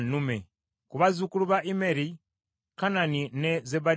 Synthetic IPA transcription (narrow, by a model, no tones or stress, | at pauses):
nume | kuβazukuluβaʔimeɾi | kananinezeba